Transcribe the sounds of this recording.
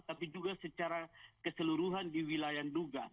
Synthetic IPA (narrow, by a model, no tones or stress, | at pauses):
t̪apid͡ʒuɡasət͡ʃaɾakəsəluɾuɦandiwilajanduɡa̰